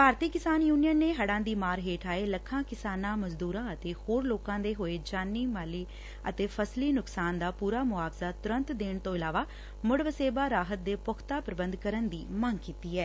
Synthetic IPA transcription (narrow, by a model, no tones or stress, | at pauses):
bʱaːɾt̪iːkɪsaːnjuːnijənːeːɦəɽãːd̪iːmaːɾɦeːʈʰaːeːləkʰːãːkɪsaːnãːməzd̪uːɾãːət̪eːhoːɾloːkãːd̪eːɦoːeːd͡ʒaːnːiːmaːliː | ə̰t̪eːpʰəsliːnʊksaːnd̪aːpuːɾaːmʊaːbzaːt̪ʊɾə̃nt̪d̪eːɳt̪õːɪlaːʋaː | mʊɽʋəseːbaːɾaːɦət̪̚d̪eːpʊkʰt̪aːpɾəbənd̪kəɾənd̪iːməŋkiːt̪iːɛː